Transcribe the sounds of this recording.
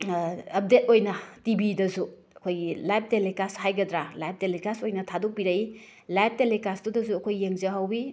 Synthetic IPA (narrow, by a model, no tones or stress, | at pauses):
ɐp̚det̚ojnɐtibidɐzu | ɐkʰojɡilajp̚ʰtelekashajɡɐdɾalajp̚telekasojnɐtʰadok̚biɾɐi | lajp̚ʰtelekasdudɐzuɐkʰojːeŋzɐɦawi